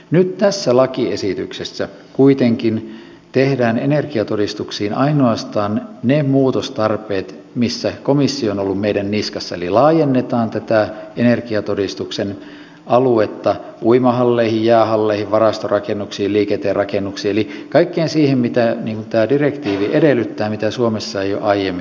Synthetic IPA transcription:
nyt̪t̪æsːælɑkiesit̪yksesːæ | kuit̪eŋkin | t̪ehdæːnenerkiɑt̪odist̪uksiːnʔɑinoɑst̪ɑːnnemuːt̪ost̪ɑrpeːt̪ | misːækomisːionolːummeidænniskɑsːɑelilɑːjenːet̪ɑːnt̪æt̪æenerkiɑt̪odist̪uksen | ɑluet̪ːɑ | uimɑhɑlːeihijjæːhɑlːeihiʋʋɑrɑst̪orɑkenːuksiːlliːket̪ːerɑkenːuksiːelikɑikːeːnsiːhemmit̪æniːŋkunt̪æːdirekt̪iːʋiʔedelːˑyt̪ːæːmit̪æsuomesːɑejjo̰ʔɑijemːi

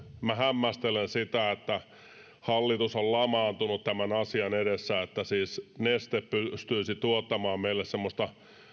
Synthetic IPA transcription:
mæhæmːæst̪elensit̪æet̪ːæ | hɑlːit̪usollɑmɑːnt̪unut̪t̪æmænɑsiɑnedesːæet̪ːæsiːsnest̪eppyst̪yːsit̪uot̪ːɑmɑːmmeilːessemːost̪ɑ

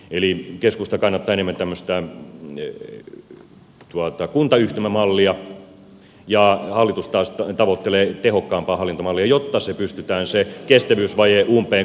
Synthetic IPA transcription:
elikeskust̪ɑkɑnːɑt̪ːɑːenemːænt̪æmːøst̪æ | t̪uɑt̪ɑkunt̪ɑyht̪æmæmɑlːiɑ | jɑhɑlːˑit̪ust̪ɑːst̪t̪ɑʋot̪ːeleːt̪ehokːɑːmpɑːhɑlːˑint̪omɑlːiɑjot̪ːɑsepyst̪yt̪æːnsekest̪æʋyːsʋɑjeʔuːmpˑeː

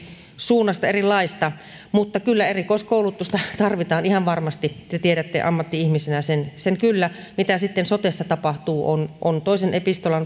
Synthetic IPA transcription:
suːnːɑst̪ɑerilːɑist̪ɑ | mut̪ːɑkylːæerikoiskoˑulut̪ːˑust̪ɑt̪ɑrʋit̪ɑːnihɑʋʋɑrmɑst̪it̪ːet̪ieɾæt̪ːḛʔɑ̰mːɑt̪ːiihmisenæsenseŋkylːæ | mit̪æsit̪ːensot̪esːɑt̪ɑpɑht̪uːʔonʔont̪oˑisenʔepist̪olɑn

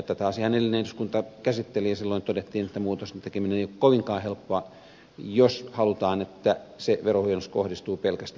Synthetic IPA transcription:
et̪ːæt̪ɑːsihɑnelːinent̪yskunt̪ɑkæsit̪ːelijsilːoint̪odet̪ːiːnet̪ːæmuːt̪ost̪ent̪ekemineneˑijokkoʋiŋkɑːhelpːoɑ | joshɑlut̪ɑːnet̪ːæseʋerohujɑnːuskohdist̪uːpelkæst̪

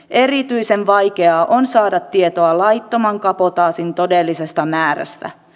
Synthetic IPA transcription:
ʔe̞rit̪yisenʋɑjke̞ɑːʔonsɑːdɑt̪ːiet̪oɑlɑjt̪ːo̞mɑŋkɑpot̪ɑːsint̪o̞delːise̞st̪ɑmæːɾæ̰st̪æ̰

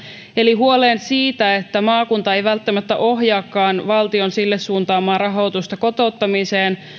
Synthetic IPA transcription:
eliɦuo̞leːnsiːt̪æe̞t̪ːæmɑːkunt̪ɑe̞jʋælt̪ːæmæt̪ːæ̰ʔo̞ɦjɑːkːɑːnʋɑlt̪io̞nsilːesːuːnt̪ɑːmɑːrɑɦo̞wt̪ust̪ɑko̞t̪o̞t̪ːɑmiseːn

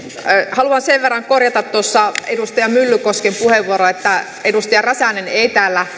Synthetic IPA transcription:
hɑluɑnseʋʋerːɑŋkorjɑt̪ɑt̪t̪uosːɑedust̪ɑjɑmylːykoskempuheʋʋuoɾoet̪ːæ | edust̪ɑjɑræsæneneit̪æːlːæ

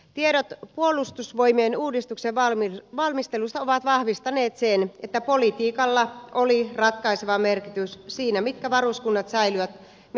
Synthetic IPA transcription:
t̪ieɾot̪puolˑust̪usʋojmeːnuːdist̪ukseɑʋɑlmist̪elust̪ɑoʋɑt̪ʋɑhʋist̪ɑneːt̪senet̪ːæpolit̪iːkɑlːɑʔolirɑt̪kɑiseʋɑmerkit̪yssiːnæmit̪kæʋɑruskunːɑt̪sɑilyʋæt̪ | m

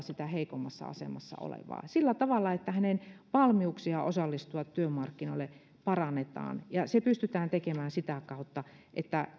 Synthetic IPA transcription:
sit̪æheikomːɑsːɑ̰ɑ̰sḛmɑsːɑ̰o̰lḛʋɑ̰ːsilːæt̪ɑʋɑlːɑet̪ːæhænenʋɑlmiuksiɑʔosɑlːist̪uɑt̪tyømɑrkːinoĭlːe | pɑrɑnːet̪ɑ̰ːnjɑsepyst̪yt̪æːnt̪ekemæːnsit̪ækɑut̪ːɑ | ʔḛt̪ːæ

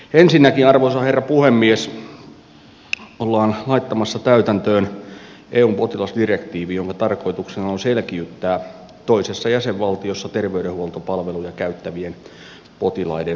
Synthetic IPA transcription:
ensinːækinɑrʋosɑherːɑpuhemːies | olːɑːnlɑit̪ːɑmɑsːɑt̪æyt̪ænt̪øːn | ʔeːuːmpo̞t̪ilɑsdirekt̪iːʋijoŋkɑt̪ɑrko̞it̪uksenɑonselkiyt̪ːæː | t̪oisesːɑjæseʋʋɑlt̪iosːɑt̪erʋeydehuolt̪opɑlʋelujɑkæyt̪ːæʋien | pot̪ilɑ̰ide

